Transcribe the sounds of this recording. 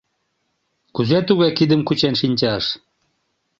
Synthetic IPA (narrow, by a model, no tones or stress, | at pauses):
kuzet̪uɣɑjkid̪ə̆mkut͡ɕenʃinʲt͡ɕɑʃ